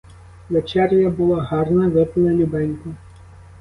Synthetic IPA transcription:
ʋɛt͡ʃɛrʲjɐbʊlˠɔɦɑrnɐʋɪpɪlˠɐlʲubɛnʲkʊ

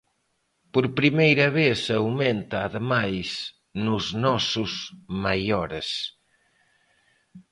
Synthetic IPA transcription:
poɾpɾimejɾɐβesawmẽnt̪aːðemajs | nuznɔsuzmajɔɾes

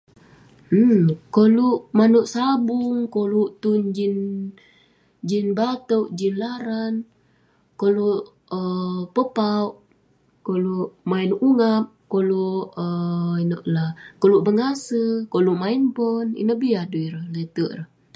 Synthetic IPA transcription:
m̩koluʔmanuʔsabuŋkoluʔt̪und͡ʒin | d͡ʒinbat̪əʔd͡ʒinlaɾan | koluʔ | əpəpauʔ | koluʔmainuŋap̚koluəinoʔlakoluʔbəŋasəkoluʔmainpɔnḭnəhbiaduiɾəhlət̪əʔɾəh

